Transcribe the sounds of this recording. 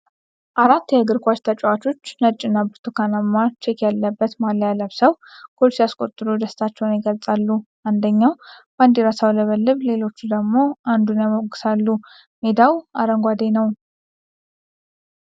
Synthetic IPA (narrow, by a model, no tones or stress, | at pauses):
ʔaɾat̪ːjɛɨɡɨɾkʷat͡ʃt̪ʰət͡ʃʼɛwat͡ʃo̞t͡ʃːnət͡ʃʼːɪnːabɨɾt̪ʰukʰanamːat͡ʃekʰjalːəbːət̪malːjaləβsəwkʰo̞lsijaskʼo̞t̪ʼːɨɾud̪əst̪ʰat͡ʃːɛwnjɪɡəlt͡sʼalːu | and̪əɲːawb̥and̪iɾasawləβəlːɨβle̞lo̞t͡ʃːud̪əɡmo̞ʔand̪unjaməwɡɨsalːu | med̪awaɾəŋɡʷad̪enəw